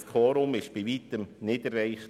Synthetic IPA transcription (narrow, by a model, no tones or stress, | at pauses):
skʰɔːɾʊmɪʃb̥iʋiːt̪əmnɪdəɾːɛɪχ